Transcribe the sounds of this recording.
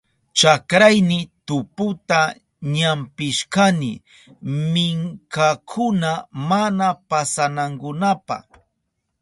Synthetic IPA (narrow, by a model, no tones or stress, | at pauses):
t͡ʃakɾajnɪt̪ʊpʊt̪a | ɲampɪʃkanɪ̰ | mɪŋkakʰʊnamanapasanaŋkʊnapa̰